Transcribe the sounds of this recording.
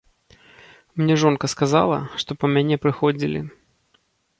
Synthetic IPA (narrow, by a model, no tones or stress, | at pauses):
mnʲɛʐɔnkɐskaza̰lˠɐ̰ʂt̪ɔpɐmʲanʲɛpɾɨxɔd͡zʲilʲḭ